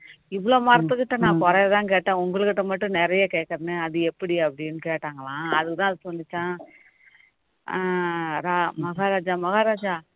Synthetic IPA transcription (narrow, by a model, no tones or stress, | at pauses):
ɪʋɐɭoːmɐɾɐt̪ːɯkːɪʈːɐnãːkɔɾɐɐt̪ãːkeːʈːãːʊŋɡɐɭɯkːɪʈːɐmɐʈːɯ̃nɛɾɐjeːkeːʈkːɐɾnɯɐðɯɛpːɐɽiɐpːɐɽɪjnːɯkeːʈːaːŋɡɐɭãːɐðɯkːɯt̪ãːɐðɯsɔnːɪt͡ʃːãː | ɾaːmɐɣaːɾaːd͡ʒaːmɐɣaːɾaːd͡ʒaː